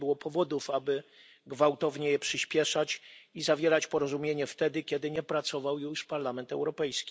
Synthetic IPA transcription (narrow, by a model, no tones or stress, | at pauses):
bɘwɔpɔvɔd̪ufabɘ | ɡvawt̪ɔvɲɛjɛpʂɘɕpʲjɛʂat͡ɕizavʲjɛɾat͡ɕpɔɾɔzumʲjeɲɛft̪ɛd̪ɘkʲɛd̪ɘɲɛpɾat̪sɔvawjuʂpaɾlamɛnt̪ɛwɾɔpɛjskʲi̥